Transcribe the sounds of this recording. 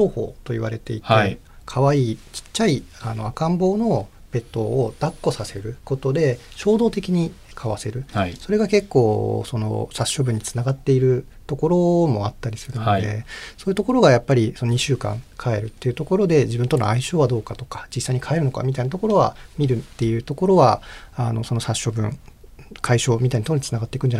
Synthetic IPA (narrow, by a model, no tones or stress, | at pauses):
ɕo̞ːho̞̰ːt̪o̞iβa̰ɾe̞t̪e̞it̪e | kʰaβaiːt͡ɕi̥t͡ɕːaiano̞̰akãmbo̞ːno̞ | b̥e̞t̪ːo̞ːd̪̥akːo̞sase̞ɾɯ̟ko̞t̪o̞d̪e̞ɕo̞ːd̪o̞ːt̪e̞kʲiɲ̟ikʰaβase̞ɾɯ̟so̞ɾe̞ɡake̞kːo̞ːsono̞̰saɕːo̞bɯ̟ɲ̟ːit͡sɨ̥naɡat̪ːe̞iɾɯ̟ | t̪o̞ko̞ɾo̞mo̞at̪ːaɾʲisɨɾɯ̟nod̪e̞̰so̞ːjiɯ̟t̪o̞ko̞ɾo̞ɡajapːaɾʲiso̞noɲ̟iɕɨːkã̰ŋkʰae̞ɾɯ̟t̪ːe̞iɯ̟t̪o̞ko̞ɾo̞d̪e̞d͡ʑibɯ̟nt̪o̞no̰aiɕo̞ːβad̪o̞ːkat̪o̞̥kḁd͡ʑisːaiɲ̟ikʰae̞ɾɯ̟no̞ka̰mʲit̪ainat̪o̞ko̞ɾo̞βa̰mʲiɾɯ̟t̪ːe̞ijɯ̟ːt̪o̞ko̞ɾo̞βaano̞̰so̞no̞saɕːo̞bɯ̟̰̃ŋkʰaiɕo̞ːmʲit̪aint̪onit͡sɨnaɡat̪ːekɯ̟nd͡ʑaa